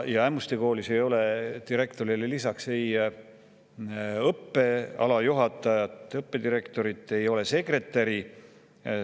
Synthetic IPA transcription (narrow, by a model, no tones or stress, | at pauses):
jɑæmust̪ekoːlise̞jo̞le̞t̪iɾe̞kt̪o̞ɾilelisɑksej | ɤpːe̞ɑ̰lɑjuɦɑt̪ːˑɑjɑt̪ːˑɤpːe̞d̪̥iɾe̞kt̪o̞ɾit̪ˑːe̞jo̞le̞se̞kre̞t̪ːˑɑɾi